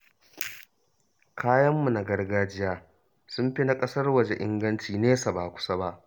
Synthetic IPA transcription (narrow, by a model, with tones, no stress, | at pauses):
kʰaː˦jɐ˦mːu˨na˨ɡɐ˦rɡaː˦d͡ʒɪ˦jaː˦ | sʊ˦mɸi˦na˨kʼɐ˦sɐ˦rwɐ˨d͡ʒe˨ʔɪ̰˦ŋɡɐ˦nt͡ʃiː˨neː˦sa˨baː˨kʷʊ̥˦sa˦ba˦ʔ